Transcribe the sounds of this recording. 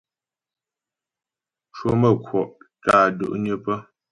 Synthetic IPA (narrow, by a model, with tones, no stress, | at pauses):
t͡ʃwo˦mə˦˨kʰwɔ˨ʔtaː˦˨də̰˦ʔɲə˦pə˦